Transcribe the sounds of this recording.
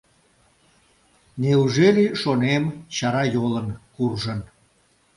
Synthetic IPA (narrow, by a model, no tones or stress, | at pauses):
neuʒeliʃonemt͡ɕɑɾɑjolənkurʒən